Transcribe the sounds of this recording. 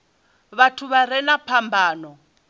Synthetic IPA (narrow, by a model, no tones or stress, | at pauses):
βatʰuβaɾɛnapʰambʱaːnɔ